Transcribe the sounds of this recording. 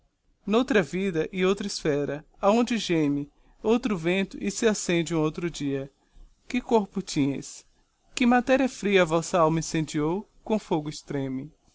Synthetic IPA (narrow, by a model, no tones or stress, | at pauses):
nowt̪ɾɐvid̪ɐʔɪowt̪ɾɐisfɛɾɐ | aõnd͡ʒɪʒẽmɪ | owt̪ɾʊvẽnt̪ʊʔɪsɪasẽnd͡ʒɪũowt̪ɾʊd͡ʒiɐ | kɪkoɾpʊt͡ʃĩɲɐ̰js | kɪmat̪ɛɾiɐfɾiɐvɔsɐawmɐĩsẽd͡ʒiowkõfoɡʊist̪ɾẽmɪ